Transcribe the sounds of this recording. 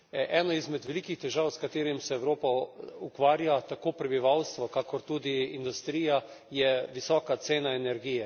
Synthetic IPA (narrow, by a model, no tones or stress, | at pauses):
ʔɛːnaizmɛd̪ʋɛlikixt̪ɛʒawskat̪eːɾimsɛɛwɾoːpaukʋaːɾjat̪akoːpɾɛbiʋawst̪ʋɔkakɔɾt̪ud̪iːnd̪ust̪ɾiːja | jɛʋisɔːkat̪seːnaɛnɛɾɡiːjɛ